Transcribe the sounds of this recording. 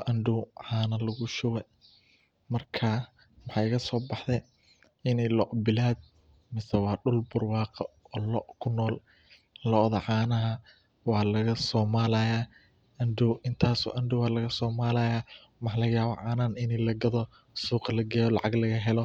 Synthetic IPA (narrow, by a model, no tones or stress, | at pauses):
ʔɐnɖʊwʕaːnɐlɐɣʊʃʊwɛ | mɐrkʰa | mɑħɑɪɣɐsɔːbɑħðɛ | ɪnɛlɔʔbɪlaːd̪̚ | mɪsɛwɑːɖʊlbʊrwɑːqɐɔːlɔʔkʰʊnɔːl | lɔʔðɐʕaːnɐɦɐ | wɑːlɐɣɐsɔːmaːlɐjaː | ʔɐndʊʔɪnt̪ʰaːsɔ̰ːʔɐnɖʊwɑːlɐɣɐsɔːmaːlɐjaː | mɑħlɐɣɐjaːβɔʕaːnaːnɪnilɐɡɐðɔ | suːqɑlɐɡɛːjɔlɑ̰ʕɑɡlɐɣɐɦɛlɔ